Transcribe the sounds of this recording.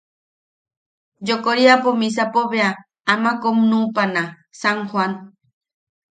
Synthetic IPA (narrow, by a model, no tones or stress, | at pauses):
d͡ʒokoɾiapomĩs̬apoβea | amãkomnũpana | saŋxwan